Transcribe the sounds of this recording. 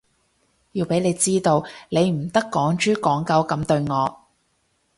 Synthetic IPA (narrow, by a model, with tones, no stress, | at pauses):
jiː˧wpe˨˥jne˨˧jt͡siː˥t̪o˧wle˨˧jm̩˨˩t̪ɐ˥kːɔː˨˥ŋt͡ʃyː˥kɔː˨˥ŋkɐ˨˧wkɐ˨˧˥mt̪ɵ˧ɥŋɔː˨˧